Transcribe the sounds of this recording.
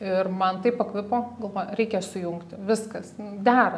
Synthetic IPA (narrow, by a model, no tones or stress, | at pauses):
ɪrmɐnt̪ɐɪpɐkʋʲɪpoːɡɐlˠʋoːjʊɾʲɛɪkʲɛsʊjʊŋkt̪ʲʋʲɪskɐsʊd̪ʲæːɾɐ